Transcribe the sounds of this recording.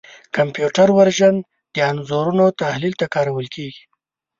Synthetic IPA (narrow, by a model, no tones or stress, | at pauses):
kampjuʈaɾwaɾʒan | d̪̥əanzoɾunot̪ahlilt̪akɑɾawəlkʰeɡi̥